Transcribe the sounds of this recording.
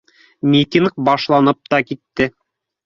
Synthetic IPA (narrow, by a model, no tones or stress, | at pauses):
mʲit̪ʲiŋk̚bɑʃlˠɑnɤp̚t̪ɑkit̪ːɘ